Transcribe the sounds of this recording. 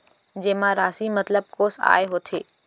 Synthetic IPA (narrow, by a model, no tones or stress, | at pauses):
d͡ʒeːmãɾaːsimɐt̪ləb̚koːsa̰ːeɦoːt̪ʰeː